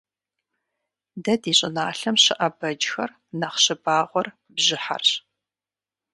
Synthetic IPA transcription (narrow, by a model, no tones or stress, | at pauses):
dɐdiːɕʼɪnaːɬɐmɕɨʔɐbɐd͡ʒxɐr | nɐχɕɪbaːʁʷɔr | bʑɪħa̰rɕ